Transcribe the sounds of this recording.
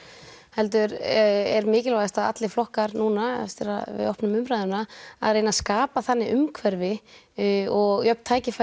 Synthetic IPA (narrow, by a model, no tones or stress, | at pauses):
hɛlt̪̬ʏɾɛɾmɪːcɪlvajst̪aða̰t̪lɪflɔhkaɾnuːnast̪ɪɾa̰vɪ̰ðɔhpnʏmʏmɾajðʏnaa̰ðreːjnaskaːpaθanːɪʔʏmkʰvɛɾvɪ | ɔɣjœp̪̚t̪ʰaːjcɪfa